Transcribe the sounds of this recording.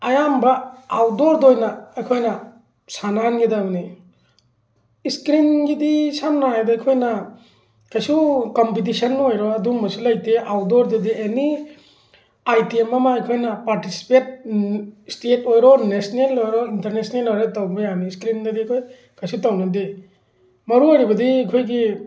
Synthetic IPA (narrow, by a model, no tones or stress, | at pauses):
ɐjambɐawdoɾdojnɐːjkʰojnɐ | sananɡidamni | skɾinɡidisamnajdɐjkʰojnɐ | kajsukompit̬isɐnːojɾɔɐdumbɐsulɐjteawdɔɾdedieni | ajtiemɐmaɐjkʰojnɐpaɾtisi̥pet̚ | stetojɾɔnesnelojɾɔinteɾnesnelojɾetawbɐjaniskɾindɐdiɐkʰoj | kʰajsutawnɐdi | mɐɾuojɾibɐdiɐkʰojɡi